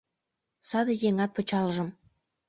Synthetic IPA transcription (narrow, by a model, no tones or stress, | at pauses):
sɑd̪ɤ̆jeŋɑt̪̚pə̆t͡ɕɑlʒə̆m